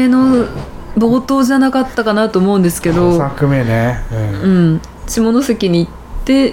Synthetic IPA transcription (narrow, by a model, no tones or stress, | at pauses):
eno̞ | bo̞ːt̪o̞ːʑanakat̪ːakanat̪o̞ːmo̞ɯ̃nd̪esɨ̥ke̞d̪o̞sakɯmeneɯ̟̃ɴ | t͡ɕimo̞no̞se̞kʲiɲ̟iːt̪ːe̞